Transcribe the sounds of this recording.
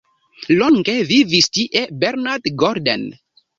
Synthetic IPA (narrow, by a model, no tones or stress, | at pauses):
loŋɡevivistiʔebeɾnaɾtɡoɾdḛn